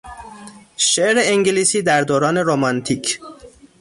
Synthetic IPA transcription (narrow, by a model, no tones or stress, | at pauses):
ʃeʔɾeeŋɟeliːsiːd̪æɾd̪oːɾɒːne̞ɾomɒnt̪ʰiːcʰ